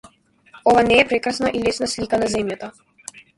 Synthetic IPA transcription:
ɔvanɛːpɾɛkɾasnaʔilɛsnaslikanazɛmjat̪a

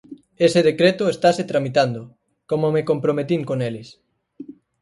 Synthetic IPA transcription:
eseðekɾet̪ʊest̪aset̪ɾamit̪and̪ʊ | komomekompɾomet̪iŋkonelɪs

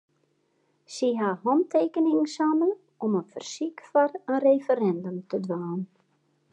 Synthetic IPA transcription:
siɦahɔmteːkənɪŋsamə | ɔmənfərsikfɔɾənrefəɾɛndømtədʋaːn

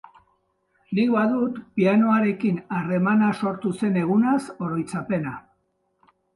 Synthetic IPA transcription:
nik̚βaðut̪piano̞aɾe̞kinare̞manaso̞ɾt̪use̞ne̞ɣ̞unaso̞ɾo̞jt͡sape̞na

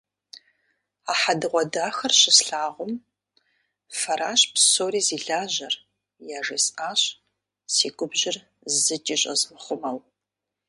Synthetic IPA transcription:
aːħadɨʁʷɔdaːxɐrɕɪsɬaːʁʷʊm | fɐɾaːʃpsoːɾiːziːɮaːʑɐr | jaːʐeːsʼaːɕ | sḭːɡʷʊbʒɪr | zɨtʼiːɕʼɐ̰zɨmχʷʊmɐw

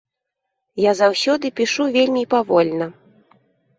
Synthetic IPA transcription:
jazawsʲɔd̪ɨpʲiʂuvʲelʲmʲipavɔlʲnɐ

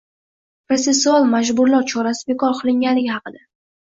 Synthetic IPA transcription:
pɾot̪se̞sːualˠmad͡ʒbʊɾlaɾt͡ʃʰɒɾasɪ̥be̞kʰɒɾqʰɨlˠɪŋɡʲanlɪɡʲɪhɑqɨd̪a

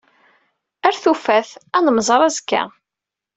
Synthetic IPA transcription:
æɾθufæθænəmzˤɑɾˤæzkːæ̰

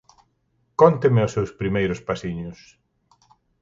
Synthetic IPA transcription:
kɔnt̪emɪʊsewspɾimejɾʊspasiɲʊs

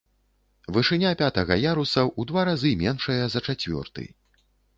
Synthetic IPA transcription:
vɨʂɨnʲapʲat̪ɐɣɐjaɾusɐwʔud̪vaɾazɨmʲɛnʂɐjɐzɐt͡ʂat͡sʲvʲɔ̰rt̪ɨ̰j

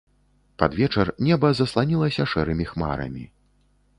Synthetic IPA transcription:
pa̰d̪vʲɛt͡ʂɐrnʲɛbɐzɐslˠanʲilˠɐsʲɐʂɛɾɨmʲixma̰ɾɐ̰mʲi

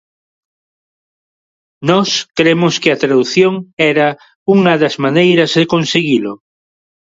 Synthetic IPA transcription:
nɔskɾemoskɪat̪ɾaðuθjoŋɛɾa | uŋɐðazmanejɾɐzðekõnseɣilo

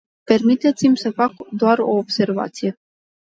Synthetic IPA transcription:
permit̪et̪simʲsəfakd̪oaɾoobserva̰t̪sije

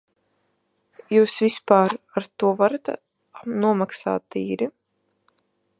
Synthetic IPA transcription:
juːsvispaːɾaɾt̪uɔvaɾat̪ | nuɔmaksa̰ːt̪ːiːɾi

